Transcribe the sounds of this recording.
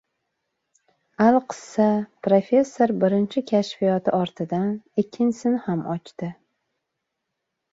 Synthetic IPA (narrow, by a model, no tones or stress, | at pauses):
alˠqʰɨ̥sːapɾofʲe̞sːo̞ɾbɪɾɪnt͡ʃʰɪkʲʰaʃfijɒt̪ʰɪɒɾt̪ʰɪd̪anɪkʲʰːɪnsɪnhamʔɒt͡ʃt̪ɪ